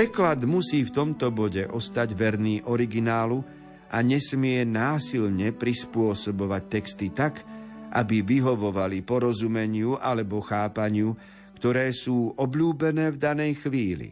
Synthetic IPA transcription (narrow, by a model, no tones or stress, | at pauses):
pɾɛklad̪musiːft̪ɔmt̪ɔbɔɟɛʔɔst̪aɟʋɛɾniːʔɔɾiɡinaːlu | ʔaɲɛsmɪɛnaːsilɲɛpɾispʊɔsɔbɔʋac̚t̪ɛkst̪it̪akʔa̰biʋiɦɔʋɔʋalipɔɾɔzumɛɲɪuʔalɛbɔxaːpaɲɪu | kt̪ɔɾɛːsuːʔɔbʎuːbɛnɛːvd̪anɛjxʋiːlḭ